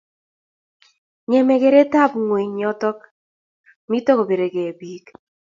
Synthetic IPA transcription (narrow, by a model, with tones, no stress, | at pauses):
ɲɛ˨mɛ˨ke˨ɾe˦ta˦˨pŋwe˨ɲɔ˦tɔ˦k̚ | mi˦tɔ˦ko˨be˨ɾe˨kɛ˨biː˨˦k